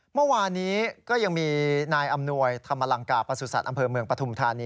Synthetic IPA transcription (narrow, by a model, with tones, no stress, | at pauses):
mɯ˥˩˨waː˧nːiː˦˥kɔː˥˩ja˧ŋmiː˧naː˧jʔa˧mnu˧əjt̪ʰa˧mːa˧la˧˩ŋkaː˨˩pɾa˧su˨˩sa˨˩t̪̚ʔa˧mpʰɤː˧mɯ˧əŋpɾa˧t̪ʰu˧mt̪ʰaː˧niː˦˥